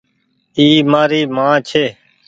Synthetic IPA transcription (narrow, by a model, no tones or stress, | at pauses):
iːmaːɾiːmãːt͡ʃʰeː